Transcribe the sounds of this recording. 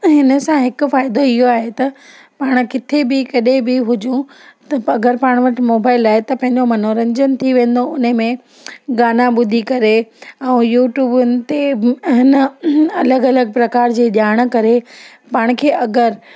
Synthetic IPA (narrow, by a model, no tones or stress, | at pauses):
ɦɪnə̆sãɦɪkʊ̆faːɪd̪oɪɦoaːɦet̪ɐ | paːɽ̃kɪt̪ʰebɪkɐɗẽbɪɦʊd͡ʑũ | t̪ɐɐɡəɾpaːɽ̃ʋɐʈɪmoːbaːɪlaːɪt̪ɐpɐ̃ɦɪ̃ɲd͡ʑomɐnoːɾɐ̃ɲd͡ʑənt̪ʰiʋẽːn̆d̪oʊnmẽ | ɡaːnãɓʊd̪ʱikɐɾeɛ̃ũːjuːʈjuːbʊnɪ̆t̪eɦɪnəɐləɡɐləɡ̚pɾɐkaːɾd͡ʑeːɗjaːɽ̃kɐɾe | paːɽ̃kʰeːʔɐɡəɾ